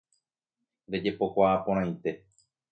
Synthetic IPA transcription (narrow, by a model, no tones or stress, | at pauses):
ɾed͡ʒe̞po̞kʷaːpõɾ̃ãj̃t̪e̞